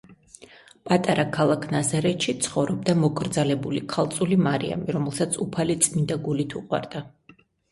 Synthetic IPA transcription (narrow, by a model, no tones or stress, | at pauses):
pʼat̪ʼaɾakʰalˠakʰnazaɾɛt̪ʃit̪sʰχɔvɾɔb̚d̪amɔkʼɾd̪zalɛbulikʰalˠt̪sʼulimaɾḭa̰miɾɔmɛlˠsat̪sʰupʰalit̪sʼmind̪aɡulit̪ʰṵqʼwa̰ɾd̪̥a